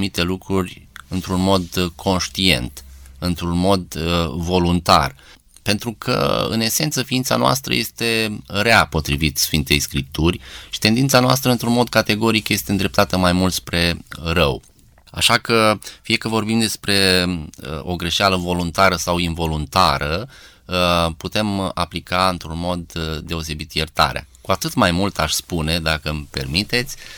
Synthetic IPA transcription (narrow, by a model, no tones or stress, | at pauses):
mit̪e̞lukɾurʲɨnt̪ɾunmo̞d̪kʰo̞nʃt̪ie̞̰nt̪ɨnt̪ɾunmo̞d̪vo̞lunt̪a̰r | pe̞nt̪ɾukʰə̰ɨ̰ne̞se̞nt̪səfiint̪sa̰noa̰st̪ɾə̰je̞st̪e̞ɾeapo̞t̪ɾivit̪sfint̪e̞̰jskɾip̚t̪urʲʃi̥t̪e̞nd̪int̪sanoa̰st̪ɾəɨnt̪ɾunmo̞d̪̚kat̪e̞ɡo̞ɾikje̞st̪e̞ɨnd̪ɾe̞p̚t̪at̪əmajmult̪spɾe̞rəw | a̰ʃakəfije̞kəvo̞rbimd̪e̞spɾe̞əo̞ɡɾe̞ʃealəvo̞lunt̪aɾəsawinvo̞lunt̪aɾə | put̪e̞maplikaɨnt̪ɾunmo̞d̪ːe̞o̞s̬e̞bit̪jert̪a̰ɾḛa̰kuat̪ɨt̪majmult̪aʃʲspune̞d̪akəmpe̞̰rmit̪e̞t̪sʲ